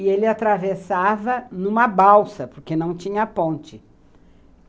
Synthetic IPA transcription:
ɪelɪat̪ɾavesavɐnũmɐbawsɐpoɾkenɐ̃w̃t͡ʃĩɲɐpõnt͡ʃɪ

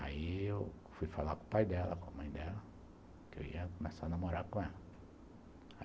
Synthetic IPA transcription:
a̰iew | fujfalakõʊpajd̪ɛlɐ̰kõɐmɐ̃j̃d̪ɛlɐ | kɪḛwḭɐkomesanamoɾaɾkõɛlɐ | a

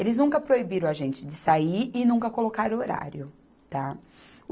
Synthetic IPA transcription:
elɪznũkɐpɾoibiɾɐ̃w̃ɐʒẽnt͡ʃɪd͡ʒɪsaiɪnũkɐkolokaɾoɾa̰ɾjʊ | t̪a

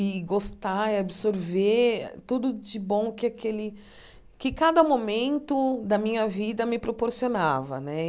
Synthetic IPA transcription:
ɪɡost̪aiabɪsoɾvet̪ud̪ʊd͡ʒɪbõw̃kɪakelɪ | kɪkad̪ɐmomẽnt̪ʊd̪ɐmĩɲɐvid̪ɐmɪpɾopoɾsionavɐ̰nɛ

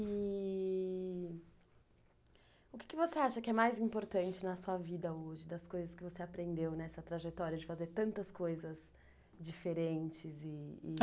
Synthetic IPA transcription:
ɪ | ʊkɪ̥kɪvoseaʃɐkɪɛmajzĩmpoɾt̪ɐ̃nt͡ʃɪnɐsuɐvid̪ɐoʒɪd̪ɐskojzɐskɪvoseapɾẽnd̪ewnɛsɐt̪ɾaʒet̪ɔɾiɐd͡ʒɪfazeɾt̪ɐ̃nt̪ɐskojzɐz | d͡ʒifeɾẽnt͡ʃɪzɪː

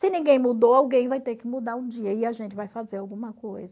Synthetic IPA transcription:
sɪnĩɡẽj̃mud̪oawɡẽj̃vajt̪eɾkɪmud̪aɾũd͡ʒiɐɪaʒẽnt͡ʃɪvajfazeɾawɡũmɐkojzɐ

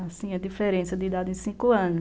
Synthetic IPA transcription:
asĩɐd̪ifeɾẽsɐd̪ɪid̪ad̪ɪẽj̃sĩkʊɐ̃nʊ

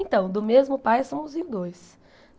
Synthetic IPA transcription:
ẽt̪ɐ̃w̃d̪ʊmezmʊpajsɐ̃w̃ʊzĩd̪ojs

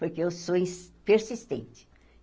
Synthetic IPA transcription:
poɾkɪewsoĩspeɾsist̪ḛ̃nt͡ʃɪ̥

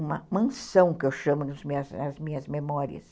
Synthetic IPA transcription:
ũmɐmɐ̃sɐ̃w̃kɪewʃɐ̃mʊnʊzmĩɲɐznɐzmĩɲɐzmemɔɾḭɐ̰s

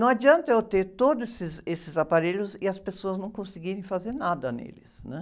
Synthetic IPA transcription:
nɐ̃w̃ad͡ʒiɐ̃nt̪ɐewt̪et̪od̪ʊesɪzesɪzapaɾeʎʊzɪɐspesoɐznɐ̃w̃kõsɪɡiɾẽj̃fazeɾnad̪ɐnḛlɪ̰snɛ̃

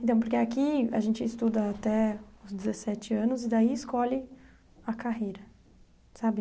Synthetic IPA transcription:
ẽnt̪ɐ̃w̃poɾkeakia̰ʒẽnt͡ʃɪːst̪ud̪ɐat̪ɛʊzd͡ʒɪzesɛt͡ʃɪɐ̃nʊzɪd̪aiɪskɔlɪ | ɐkaɦejɾɐ | sabɪ

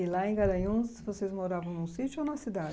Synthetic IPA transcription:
ɪlaẽɡaɾɐjũssɪvosezmoɾavɐ̃w̃nʊ̃sit͡ʃʊonɐsid̪ad͡ʒ

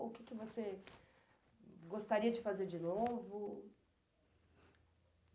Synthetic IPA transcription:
ʊkɪkɪvose | ɡost̪aɾiɐd͡ʒɪfazeɾd͡ʒɪnovʊ

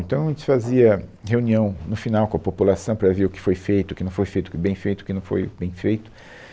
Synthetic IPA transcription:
ẽt̪ɐ̃w̃ɐʒẽt͡ʃɪ̥faziɐheuniɐ̃w̃nʊfinawkõɐpopulasɐ̃w̃pɾɐveɾʊkɪ̥fojfejt̪ʊkɪnɐ̃w̃fojfejt̪ʊkɪbẽj̃fejt̪ʊkɪnɐ̃w̃fo̰jbẽj̃fejt̪ʊ

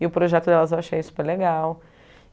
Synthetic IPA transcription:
ɪʊpɾoʒɛt̪ʊd̪ɛlɐzewaʃejsu̥peɾleɡaw

